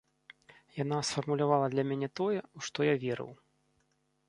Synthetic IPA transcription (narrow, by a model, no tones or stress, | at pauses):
janasfɐrmulʲavalˠɐd̪lʲɐmʲanʲɛt̪ɔjɛuʂt̪ɔjavʲɛɾɨ̰w